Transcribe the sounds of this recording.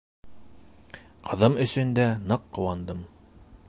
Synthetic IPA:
qʰɤ̆ðɤmɵ̆sɵ̆nd̪ænɤqːŏwɑnd̪ɤm

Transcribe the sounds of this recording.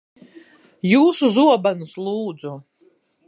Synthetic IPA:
juːsuzuɔbanuslˠuːd̪zu

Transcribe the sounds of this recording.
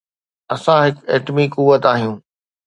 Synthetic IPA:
ɐsãɦɪkeːʈmikʊʋət̪aːɦijũː

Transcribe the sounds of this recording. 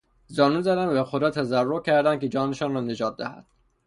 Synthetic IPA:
zɒːnuːnzæd̪ænvæxod̪ɒːt̪ʰæzærːocʰæɾd̪ænd̪̚kʰed͡ʒɒːneʃɒːnrɒːne̞d͡ʒɒːt̪̚d̪æhæ̰d̪̥

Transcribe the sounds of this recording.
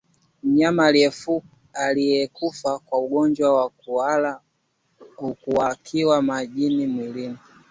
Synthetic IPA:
m̩ɲamalɛfu | alijɛkufakwauɡɔnd͡ʒwawa | uala | ukuwakʰiwamaʄinimwilini

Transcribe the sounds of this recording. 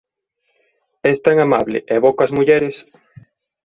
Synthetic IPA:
ɛst̪aŋamaβlɪ̰ʔeβokazmuʎɛɾes

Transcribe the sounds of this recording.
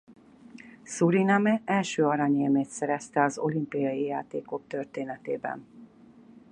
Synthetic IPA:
suɾinamɛɛlʃøːɒɾɑɲeːmeːt̪sɛɾɛst̪ɛɒzo̞̰limpijɒjijaːt̪eːko̞k̚t̪ø̞rt̪eːnɛt̪eːbɛ̰n

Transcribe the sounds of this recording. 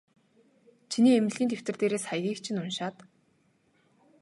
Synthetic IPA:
t͡ɕʰiniːem̆ɮʲiːnt̪ʰew̥t̪ɘ̆rt̪eːɾeːsχajɣiːkt͡ɕʰĭnʊnʃaːt̪

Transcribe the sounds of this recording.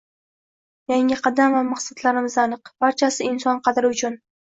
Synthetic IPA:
jaŋɪqʰɑd̪amvamaqsat̪laɾɪmɪzanɨqb̥aɾt͡ʃʰasɪɪnsɒnqʰɑd̪ɾɪʊt͡ʃʰʊn

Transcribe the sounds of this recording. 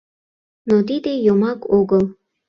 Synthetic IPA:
not̪id̪ejomɑkoɣəl

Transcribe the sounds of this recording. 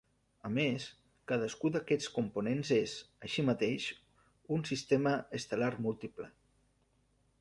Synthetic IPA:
əmes | kaðəskuðəkɛt͡skumpunenzezəʃimət̪eʃ | unsist̪eməəst̪əlarmulˠt̪iplə̰

